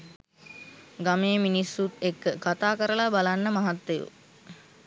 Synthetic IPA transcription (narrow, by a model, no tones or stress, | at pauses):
ɡameːminisːut̪ekːəkat̪aːkəɾəlabalanːəmaɦat̪ːejṵ